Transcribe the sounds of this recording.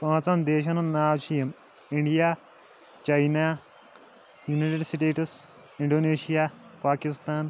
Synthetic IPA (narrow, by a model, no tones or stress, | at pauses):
pə̃ːt͡sɐ̃nd̪eːɕ̬ɐnɐnnːaːʋɕijem | iɳɖija | t͡ɕɐjna | juniʈeɖsiʈeʈs | iɳɖoːneːɕijapaːkist̪aːn